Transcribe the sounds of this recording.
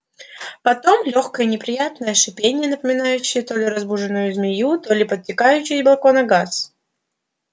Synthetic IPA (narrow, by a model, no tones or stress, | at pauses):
pɐt̪o̞mlʲo̞xkəjənʲɪpɾʲɪjat̪nəjəʂɨpʲenʲɪjənəpəmʲɪnajʉɕːɪjət̪o̞lʲɪɾɐzbuʐɨnːʊjʊzmʲɪjut̪o̞lʲɪpət̪̚ʲtʲɪkajʉɕːɪjblˠko̞nɐɡas